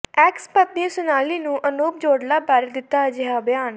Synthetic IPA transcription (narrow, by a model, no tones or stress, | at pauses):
ɛːkspət̪̚niẽsʊnaːliːnũːʔənoːp̚d͡ʒoːɽlaːbaːɾed̪ɪt̪ːaːd͡ʒɪɦaːbɪjaːn